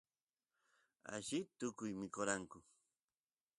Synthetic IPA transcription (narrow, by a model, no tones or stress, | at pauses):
a̰ʒɪt̪ʊkʊjmɪkoɾaŋkʊ